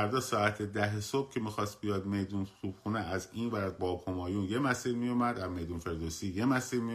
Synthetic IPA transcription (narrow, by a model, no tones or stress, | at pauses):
æɾd̪ɒːsɒːæt̪ʰed̪æɦesob̥cʰe̞mixɒːst̪̚bijɒːd̪me̞jd̪unsuːb̥xuneʔæziːnvæɾd̪̚bɒːbhomɒːjuːnje̞mæsiːɾmijumæd̪æme̞jd̪unfe̞ɾd̪oːsiːje̞mæsiːɾmij